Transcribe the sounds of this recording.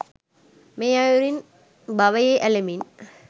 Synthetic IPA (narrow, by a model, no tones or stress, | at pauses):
meːajuɾin | bɐʋɐjeʔælemin